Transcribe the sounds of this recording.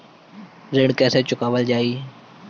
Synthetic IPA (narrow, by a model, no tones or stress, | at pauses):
ɾɪɽkɛːset͡ʃʊkaːʋəld͡ʒaːiː